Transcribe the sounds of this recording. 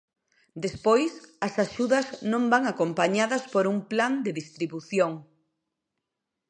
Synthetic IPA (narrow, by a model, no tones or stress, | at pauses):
d̪espojsɐsaʃuðɐznõmbaŋakompaɲaðɐspoɾuŋpland̪eðist̪ɾiβuθjoŋ